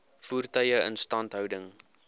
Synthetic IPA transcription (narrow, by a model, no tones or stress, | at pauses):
fuːrtœjəə̰nstɐntɦœwdəŋ